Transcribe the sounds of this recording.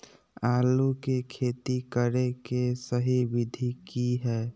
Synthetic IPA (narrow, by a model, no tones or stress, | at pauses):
aːlukekʰeːt̪ikəɾekesəɦiʋɪd̪ʱikiɦɛː